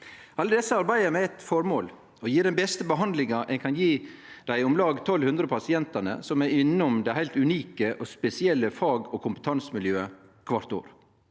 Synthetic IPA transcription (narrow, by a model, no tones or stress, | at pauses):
ɑlːəd̪ɛsːəɑɾbæɪəmɛɛt̪fɔɾmoːl | ɔjiːɾɖ̪ɛnbɛst̪əbəɦɑnd̪lɪŋɑʔɛnkʰɑnjiːd̪̥æɪʊmlɑːɡt̪ʰɔlhʉnd̪ɾəpʰɑsɪɛnt̪ənə̰sɔmɛɾɪnːʊmd̪ɛɪɦæɪlt̪ʉniːkəʔɔspɛsɪɛlːəfɑːɡɔkʰʊmpət̪ʰɑnsmɪljøːə | kʰʋɑɾt̪o̰ːɾ